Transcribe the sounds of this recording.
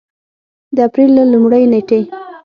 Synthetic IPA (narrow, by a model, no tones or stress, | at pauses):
d̪əapɾilːalumɽəjneʈe